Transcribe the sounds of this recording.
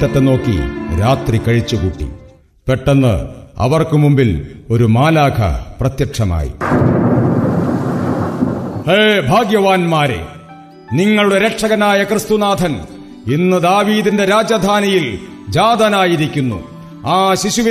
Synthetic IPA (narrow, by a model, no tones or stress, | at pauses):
ɐt̪ːeno̞ːkːḭɾaːt̪rikɐɻit͡ɕːukuʈːḭ | peʈːenːɨ̰ɐ̰ʋɐrkɨmumbilo̞ɾumaːlaːkʰɐ̰prɐt̪jɐkʂɐma̰ːjḭ | heːbʱaːɡjɐʋaːnmaːɾḛ | niŋːɐɭuɽe̞ɾekʂɐɣɐnaːjɐkrɨst̪unaːd̪ʱɐn | inːɨd̪aːʋiːd̪inde̞ɾaːd͡ʑɐd̪ʱaːnijil | d͡ʑaːd̪ɐnaːjiɾikʲːunːṵ | aːɕiɕuʋi